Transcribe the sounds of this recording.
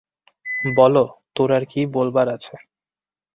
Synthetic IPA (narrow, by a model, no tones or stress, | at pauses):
bɔlot̪oɾaɾkibolbaɾat͡ɕʰe